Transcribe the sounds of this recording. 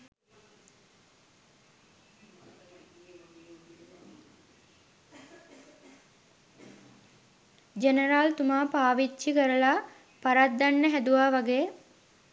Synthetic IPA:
d͡ʒenəɾaːlt̪umaːpaːʋit͡ʃt͡ʃikəɾəla | paɾad̪ːanːəɦæd̪uʋaːʋaɡeː

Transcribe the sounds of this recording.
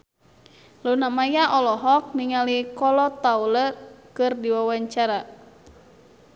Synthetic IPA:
lunamajaʔɔlɔɦɔk̚niŋalikɔlɔt̪aulərkɨrdiwawaɲt͡ʃaɾa

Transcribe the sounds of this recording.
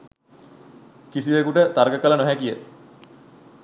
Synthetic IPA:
kisiʋekuʈət̪aɾɡəkələnoɦækijə

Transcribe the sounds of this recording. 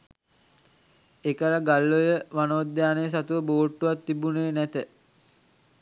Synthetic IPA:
ekəɾaɡalːojəʋanoːd̪jaːnejəs̬at̪uʋəboːʈːuʋat̪ːibuneːnæt̪ə

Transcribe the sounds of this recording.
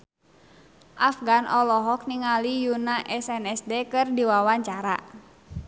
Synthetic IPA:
ʔafɡanʔɔlɔɦɔk̚niŋalijunaʔɛsɛnɛsdɛkɨrdiwawaɲt͡ʃaɾa̰

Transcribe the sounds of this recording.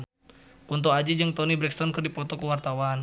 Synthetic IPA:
kunt̪̬oad͡ʒid͡ʒəŋt̪ɔnibɾɛk̚st̪ɔnkərdipɔt̪ɔkəwart̪awan

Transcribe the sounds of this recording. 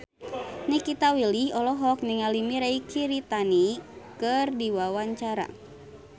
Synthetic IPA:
nikit̪awilihɔlɔɦɔk̚niŋalimiɾaikiɾit̪anikɨrdiwawaɲt͡ʃaɾa̰

